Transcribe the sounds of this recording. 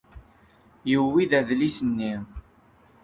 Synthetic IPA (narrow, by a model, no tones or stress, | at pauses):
jəwːiðæðlisənːi